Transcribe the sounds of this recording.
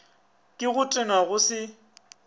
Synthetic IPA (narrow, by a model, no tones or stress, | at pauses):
kʼɪɣʊtʼɪnaɣʊsɪ